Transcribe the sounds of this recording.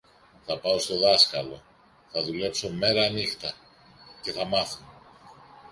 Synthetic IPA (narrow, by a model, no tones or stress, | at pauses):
θɐpɐo̞st̪o̞ðɐskɐlo̞̰ | θɐðule̞pso̞me̞ɾɐːnixt̪ɐ | ce̞θɐmɐθun